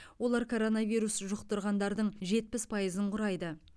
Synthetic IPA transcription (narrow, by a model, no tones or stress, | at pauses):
wo̞lˠɑɾkʰo̞ɾo̞navʲijɾusʒʊqt̪əɾʁɑnd̪ɑɾd̪əɴʒe̞t̪̚pɪspʰɑjəzəɴqʰʊɾɑjd̪ə